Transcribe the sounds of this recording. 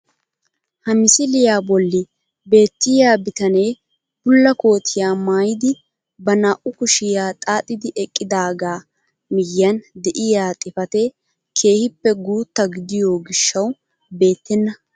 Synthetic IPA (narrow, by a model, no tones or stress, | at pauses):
hɐmɪsɪlɪjaːbɔlːɪ | be̞ːt̪ːɪjaːbɪt̪ɐneː | bʊlːɐko̞ːt̪ʰɪjaːmaːjɪd̪ɪ | bɐnaːʔʊkʊʃɪjaːt̪ʼaːt̪ʼɪd̪ɪʔɛkʼːɪd̪aːɡaː | mɪjːɐnd̪ɛʔɪjaːt̪ʼɪfɐt̪ɛ | kʰe̞ːhɪpːɛɡuːt̪ːɐɡɪd̪ɪjo̞ːɡɪʃːɐw | be̞ːt̪ːɛnːɐ